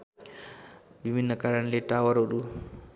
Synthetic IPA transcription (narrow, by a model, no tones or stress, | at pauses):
bibʱinːɐkaːɾɐɳleːʈaːʋɐɾoɾu